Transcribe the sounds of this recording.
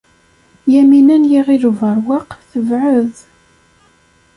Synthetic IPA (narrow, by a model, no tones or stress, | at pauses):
jæminænjiʁiluvəɾˤwɑqθəvʕəð